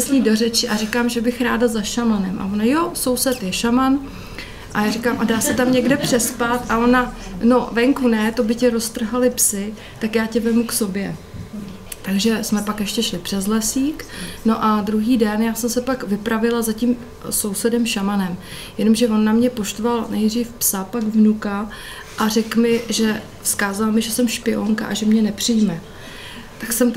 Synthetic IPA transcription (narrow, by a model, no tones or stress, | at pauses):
sɲiːdo̞rɛt͡ʃɪʔarɪkaːmʒɛbɪxɾaːdazaʃamanɛmʔa̰vo̞najo̞so̞wsɛt̪jɛʃaman | ʔajaːrɪkaːmʔadaːsɛt̪amɲɛɡdɛpr̝̥ɛspat̪ʔao̞nano̞vɛŋkunɛt̪o̞bɪcɛɾo̞st̪r̩ɦalɪpsɪ | t̪akjaːcɛvɛmukso̞bjɛ | t̪aɡʒɛsmɛpakjɛʃcɛʃlɪpr̝̥ɛzlɛsiːkno̞ʔad̪ɾuɦiːdɛnjaːsɛmsɛpakvɪpɾavɪlazaciːm | so̞wsɛdɛmʃamanɛm | jɛno̞mʒɛvo̞nːamɲɛpo̞ʃt̪ovalnɛjd̪riːfpsapaɡvnuka | ʔarɛkmɪʒɛ | skaːzalmɪʒɛsɛmʃpɪoŋka̰ʔaʒɛmɲɛnɛpr̝̥ɪjmɛ | t̪aksɛmt̪